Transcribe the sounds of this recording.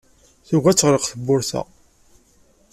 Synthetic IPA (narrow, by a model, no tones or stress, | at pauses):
θʊɣæt͡sːʁɾəqθəbːʊɾθæ̰